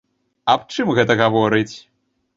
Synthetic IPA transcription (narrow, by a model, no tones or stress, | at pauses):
ɐp̚t͡ʂɨmɣɛt̪ɐɣavɔɾɨt͡sʲ